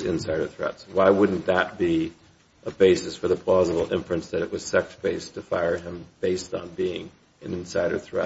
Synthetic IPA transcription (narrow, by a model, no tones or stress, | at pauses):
zɪ̰̃nsaɪɾə̰˞θɹɛ̰tswaɪwʊdⁿn̩ðət̚b̥i | ʔəbeɪsɨsfə˞ðəpʰl̥ɑzəbl̩ˠɪ̰̃ɱfɹɨ̃nsðɨɾɨʔwʌz̥sɛksb̥eɪstʰɨfaɪə˞ɨ̃mb̥eɪstn̩biɪ̃ŋ | ɨ̃nɨ̃nsaɪɾə̰˞θɹɛ̰